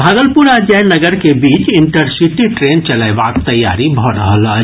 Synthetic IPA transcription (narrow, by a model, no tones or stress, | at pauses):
bʱaːɡ̪əlpʊɾad͡ʒɛːnəɡəɾkebiːt͡ʃɪ̃ɳʈəɾsiʈiʈɾeːnt͡ʃɐlaba̰ːkt̪ɐjːa̰ːɾibʱɔɾəɦələ